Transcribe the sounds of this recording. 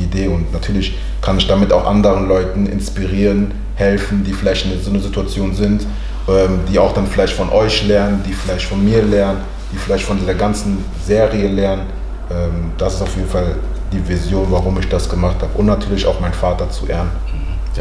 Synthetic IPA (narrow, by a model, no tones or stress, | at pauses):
ideːʊntnatʰyːɐlɪç | kʰanɪçd̥amɪtaʊxʔandəʁənlɔʏtn̩ʔɪ̰nspiʁiːʁən | hɛlfn̩diːfɪlaɪçtnəzoːnəzituat͡sjoːnzɪnt | ʔɛːmd̥iːaʊxd̥anfɪlaɪçtfɔnʔɔʏçlɛɐnəndiːfɪlaɪçtfɔnmiːɐlɛɐnən | d̥iːfɪlaɪçtfɔndiːzɐɡant͡sn̩ | zeːʁiəlɛɐnən | ʔɛːmd̥asɪ̥staʊfjeːdn̩fal | d̥iːvizjoːnvaʁʊmɪçd̥asɡ̥əmaχthaːbəʔʊntnatʰyːɐlɪça̰ʊxmaɪnfaːtɐt͡suʔeːɐn